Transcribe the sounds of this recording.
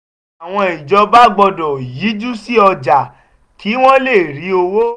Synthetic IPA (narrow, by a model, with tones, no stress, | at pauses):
a˨w̃ɔ̃˧i˨d͡ʒɔ˧ba˦ɡ͡bɔ˧dɔ˨ji˨˦d͡ʒu˦si˦ɔ˧d͡ʒa˨ | ki˨˦w̃ɔ̃˦le˦˨ɾi˨˦o˧wo˦